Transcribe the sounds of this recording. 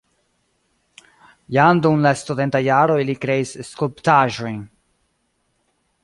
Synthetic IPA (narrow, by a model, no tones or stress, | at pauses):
jand̪unlast̪ud̪ent̪ajaɾoilikɾeisskolpt̪aʒo̞jn